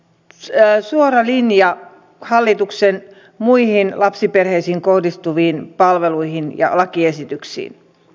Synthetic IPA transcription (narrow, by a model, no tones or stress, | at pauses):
suorɑlinjɑ | hɑlːit̪uksen | muihinlɑpsiperheisiːŋkohdist̪uʋiːnpɑlʋeluihinjɑ̰lɑkiesit̪yksḭːn